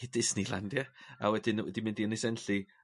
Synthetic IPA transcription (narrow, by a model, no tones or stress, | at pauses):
ɪdɪsnilˠa̰ndjaa̰wɛdɪnwɛdimɪ̃ndiənisɛnɬi